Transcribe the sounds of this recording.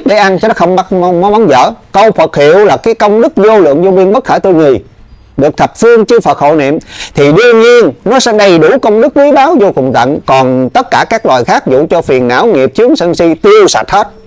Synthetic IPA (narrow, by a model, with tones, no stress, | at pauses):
ɗe˧˩ʔa˧nt͡ɕɔ˧nɔ˨˦xə˧wŋ͡mɓa˦˥m˧mɔ˨˦mɔ˨˦nzə̰ː˧˨kə˧wfə˨˩t̚hḭ˧˨əwlaː˨˩kaː˨˦jkə˧wŋ͡mɗɨ˦˥k̚zo˧lɨ̰˧˨əŋzo˧ɓi˧ənɓə˦˥t̚xəː˧˩jt̪o˧jŋi˨˩əj | ɗɨ˨˩ək̚t̪ʰə˨˩p̚fɨ˧əŋt͡ɕɨ˧fə˨˩t̚xo̰˧˨nḭ˧˨əmt̪ʰi˨˩ɗɨ˧əɲi˧ənnɔ˨˦sɛ̰˧˥ɗə˨˩jɗu˧˩kə˧wŋ͡mɗɨ˦˥k̚ːwi˨˦ɓaː˨˦wzo˧kʊ˨˩ŋ͡mt̪ə̰˧˨nkɔ˨˩nt̪ə˦˥t̚kaː˧˩kaː˦˥k̚lwaː˨˩jxaː˦˥k̚zṵ˧˩t͡ɕɔ˧fi˨˩ənːa̰ː˧˥wŋi˨˩əp̚t͡ɕɨ˨˦əŋsə˧nsi˧t̪i˧əwsa̰˨˩t̚hə˦˥t̚